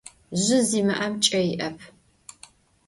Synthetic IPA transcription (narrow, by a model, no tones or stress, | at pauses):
ʑɪziːmɨʔɐmt͡ʃʼɐjɪʔɐpʰ